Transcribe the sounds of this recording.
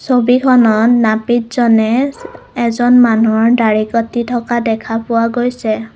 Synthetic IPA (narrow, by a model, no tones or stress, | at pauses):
sobikʰɔnɔtnapitzɔnɛ | ɛzɔnmanuɔɹdaɹikɔtitʰɔkadɛkʰapʊwaɡojsɛ